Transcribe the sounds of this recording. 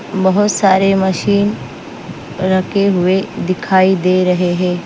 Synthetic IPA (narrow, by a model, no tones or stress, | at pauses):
bəɦʊt̪saːɾeməʃiːn | ɾəkʰeɦʊed̪ɪkʰaːid̪eɾɐɦeɦẽː